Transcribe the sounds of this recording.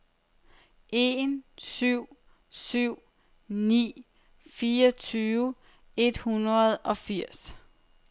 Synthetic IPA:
ʔe̝nsyʊ̰ | syʊ̰ | nḭː | fiːɒt͡sʰyːʋə | e̝d̥hunʁɐð̞ˠɒ̽fiɐ̰s

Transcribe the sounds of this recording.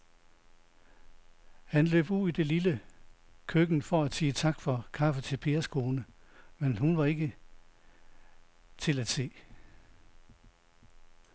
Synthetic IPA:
hænlø̰ːb̥uðˠid̥e̝lilə | kʰøɡ̥n̩fɒ̽æd̥siːət͡sʰɑ̈ɡ̥fɒ̽kʰɑ̈fət͡sʰe̝lpʰe̝̰ːɐskʰo̝ːnəmenɦunʋɑ̈e̝ɡ̥ə | t͡sʰe̝læd̥se̝̰ː

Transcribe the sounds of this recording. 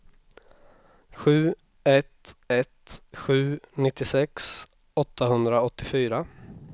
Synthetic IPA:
ɧʉ̟ː | ɛt̪ɛt̪ɧʉ̟ːnɪt̪ːɪsɛks | ɔt̪ʰːaɦɵnd̪ɾaɔt̪ːɪfyːɾa

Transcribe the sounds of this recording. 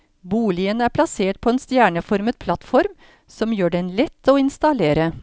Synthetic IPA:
buːlɪənəæːɾpʰlɑseːʈ̚pʰɔeːnst̪jæːɳəfɔɾmət̪̚pʰlɑt̪fɔɾm | sɔmjøːɖɛnlɛt̪ːoːɪnst̪ɑleːɾə

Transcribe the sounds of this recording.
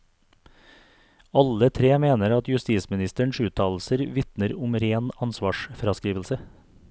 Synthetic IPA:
ɑlət̪ʰɾeːmeːnəɾɑt̪jʉst̪iːsmɪnɪst̪əɳʃʉːt̪ʰɑːl̩səɾʋɪt̪nəɾʊmɾeːnɑnsʋɑːʃfɾɑskɾiːʋəl̩sə

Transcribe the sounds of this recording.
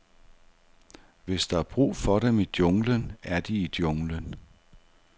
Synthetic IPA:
ʋe̝sd̥ɑ̈æb̥ʁṵːfɒ̽ɾ̥emid̥joŋlənæɐd̥iid̥joŋlən

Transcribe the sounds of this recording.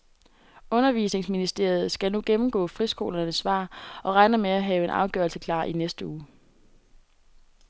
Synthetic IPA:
ɔ̽nɐʋḭːse̝ŋsminisd̥e̝ɐ̰jð̞̩ˠsɡ̥ænuɡ̥emm̩ɡ̥ɔ̰ːfʁisɡ̥o̝̰ːlɐnəsːʋɑ̰̈ːɒ̽ʁɑ̈ɪnəmeæɦɛːʊe̝nʔɑ̈ʊɡ̥œɐlsəkʰlɑ̰̈ːʔinesd̥əuː

